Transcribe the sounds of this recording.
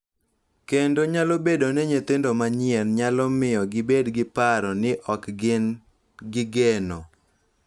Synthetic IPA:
kendoɲalobedoneɲet̪ɪndomaɲɪɛnɲalɔmɪjɔɡɪbedɡɪpaɾɔnɪʔɔkɡɪn | ɡɪɡenɔ

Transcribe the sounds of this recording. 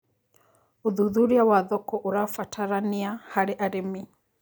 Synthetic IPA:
uðuðuɾiawaðɔkɔʔuɾafatʰaɾaniahaɾiʔaɾimi

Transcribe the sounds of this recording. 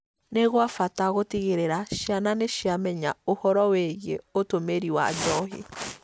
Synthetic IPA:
neɣwafataɣotiɣeɾeɾaʃiananeʃiamɛɲaohɔɾɔwɛɣḛotomeɾiwa̰d͡ʒɔɦḛ

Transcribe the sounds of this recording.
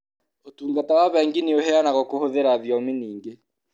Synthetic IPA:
otuːŋɡatawaβɛŋɡeneoɦɛanaɣɔkohoðeɾaðjɔmeniːŋɡe

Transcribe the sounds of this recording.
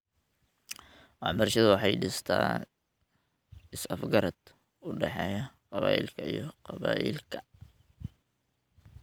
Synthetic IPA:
wɑħbɐrʃɐðʊwɑħɑjɖɪst̪ʰa̰ː | ɪsɐfɡɐɾɐd̪̥ | ʊɖɛħɛ̰ːjɐqɑβa̰ːʔɪ̰lkʰɐijɔqɑβaːʔḭlkʰɐ

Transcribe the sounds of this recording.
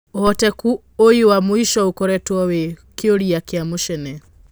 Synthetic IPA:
hɔtɛku | ojiwamuiʃɔukɔɾɛtuɔwɛkioɾijakiamuʃɛnɛ

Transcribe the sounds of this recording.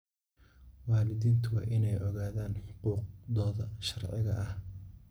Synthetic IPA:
wɑːlɪðiːnt̪ʰʊwɑ̰ːʔɪnɛjɔɣaːðaːnħʊquːq̚d̪ɔːðɐʃɐrʕɪ̰ɣɐ̰ʔɐh

